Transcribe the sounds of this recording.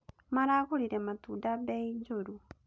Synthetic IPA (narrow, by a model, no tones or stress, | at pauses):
maɾaɣoɾiɾematuːdabeid͡ʒoɾu